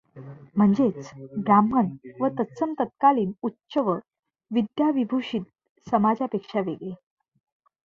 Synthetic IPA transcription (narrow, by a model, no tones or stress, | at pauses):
m̤əɳd͡zet͡sɡɾamənʋət̪əsəmt̪ət̪̚kaliːnutːɕəʋə | ʋid̪jaʋibʱuʂiːt̪̚ | səmad͡zapekʂaʋeɡɭe